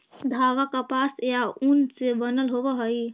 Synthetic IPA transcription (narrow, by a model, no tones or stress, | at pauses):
d̪ʱaɡakapasjaunsebənəlɦobəɦəj